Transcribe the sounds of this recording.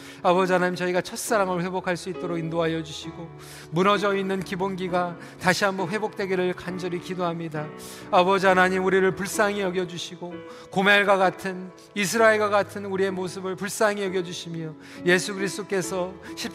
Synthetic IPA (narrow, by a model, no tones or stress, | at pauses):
abʌd͡ʑianaɲimt͡ɕʌiɡat͡ɕʰʌt̚s͈aɾaŋɯɭɸwe̞bokʰaɭs͈uit̚t͈oɾoɡindoɦajʌd͡ʑuɕʰiɡo | munʌd͡ʑʌinːɯnkibonɡiɡa | taɕʰiamuɸwe̞bok̚t͈we̞ɡiɾɯɭkand͡ʑʌɾikidoɦamɲida | abʌd͡ʑiɦanaɲimuɾiɾɯɭpuɭs͈aŋijʌɡjʌd͡ʑuɕʰiɡo | komeɭɡwaɡatʰɯn | is̬ʰɯɾae̞ɭɡwaɡatʰɯnuɾie̞mosʰɯbɯɭpuɭs͈aŋijʌɡjʌd͡ʑuɕʰimjʌ | je̞sʰuɡɯɾist͈ok͈e̞sʰʌɕʰip̚